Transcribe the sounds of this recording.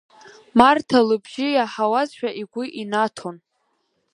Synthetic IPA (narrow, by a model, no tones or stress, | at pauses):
martʰalɨbʒɪjaħawazʃʷᶣaʔiɡʷʊʔinatʰon